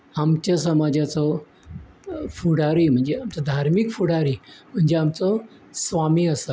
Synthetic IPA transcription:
amt͡ɕjasəmad͡ʑat͡sɔ | fuɽaɾiːm̤əɳd͡zeamt͡sɔd̪ʱaɾmikfuɽaɾim̤əɳd͡zeamt͡sɔ | sʋamiːəsə

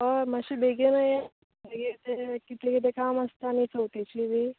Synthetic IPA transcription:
əmaɕiːbʱeɡenaje | beɡet̪ekit̪ekit̪̬ekaməst̪anit͡sowt̪et͡ɕiʋi

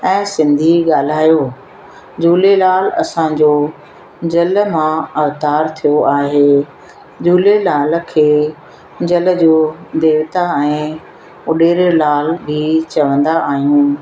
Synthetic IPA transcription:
ɛ̃ːsɪ̃nd̪ʱiɠaːl̤aːjo | d͡ʑuːlelaːlɐsãd͡ʑoː | d͡ʑɐl̆mãɐʋt̪aːɾt̪ʰijoʔaːɦeː | d͡ʑuːlelaːl̆kʰeː | d͡ʑɐlə̆d͡ʑoːd̪eːʋt̪aɛ̃ː | ʊɗeːɾlaːlbʱɪt͡ɕɐʋə̃nd̪aʔaːɦijũː

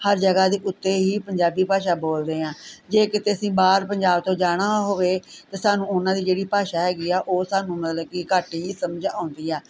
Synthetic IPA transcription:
həɾd͡ʒəɡaːd̪eːʔʊt̪ːeːɦiːpəɲd͡ʒaːbiːpaːʃaːboːld̪eːãːd͡ʒeːkɪt̪eːəsĩːbaːɾpəɲd͡ʒaːb̚t̪õːd͡ʒaːɽ̃aːɦoːʋeːt̪eːsaːnũːʊnãːd̪iːd͡ʒeːɽiːpaːʃaːɦɛːɡiːaːʔoːsaːnũːmət̪ləbkekəʈiːsəməd͡ʒãːʊ̃nd̪iːɛː

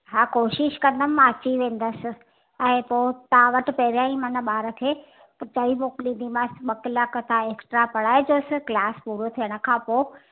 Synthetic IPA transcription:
ɦaːkoːʃɪʃkɐ̃nd̪əmmãɐt͡ɕiʋẽːn̆d̪əsɪ̆ | ɛ̃ːpoːt̪ɐãʋɐʈɪ̆pɐɦɾjãːĩmɐnəɓaːɾə̆kʰeː | pɐt͡ɕaimoːklĩːn̆d̪imãsɓɐkəlakət̪ʰãeːksʈɾapɐɽaːed͡ʑoːsɪklaːspuːɾot̪ʰiəɽ̃ə̆kʰãːpoː

